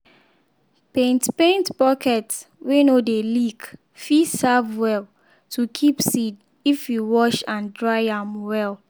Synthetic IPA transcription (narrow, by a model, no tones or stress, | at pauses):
pẽntpẽntbɔkʰɛtswenodeliɡ | fisavwɛl | tʰukʰipsid | ifjuwɔʃãndɹaɪãmwɛl